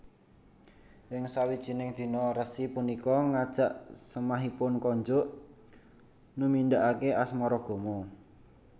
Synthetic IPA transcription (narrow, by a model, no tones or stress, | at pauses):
ɪŋsawid̥ʒ̥i̤nɪŋd̪̥i̤nɔɾəsipunikɔŋad̥ʒ̥a̤ʔsəmaɦipʊnkɔɲd͡ʒʊʔ | numind̪aʔakeʔasmɔɾɔɡ̥o̤mɔ